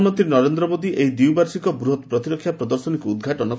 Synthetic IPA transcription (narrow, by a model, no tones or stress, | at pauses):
mɔnt̪ɾinɔɾend̪ɾɔmod̪iʔeɦid̪iwbaɾsikɔbɾuɦɔt̪pɾɔt̪iɾɔkʰːjapɾɔd̪ɔɾsɔnikuːd̪̚ɡʱaʈɔnɔ